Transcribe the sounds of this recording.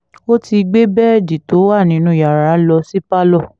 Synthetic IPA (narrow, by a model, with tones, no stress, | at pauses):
o˦ti˧ɡ͡be˦bɛ˦˨di˨to˨˦wa˦˨nĩ˨˦nũ˧˦ja˨ɾa˨˦lɔ˧si˦pa˦lɔ˦˨